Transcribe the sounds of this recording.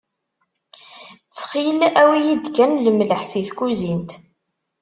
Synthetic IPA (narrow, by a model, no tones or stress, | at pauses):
t͡sːχilæwijid̪kænləmləħsiθkuzint̪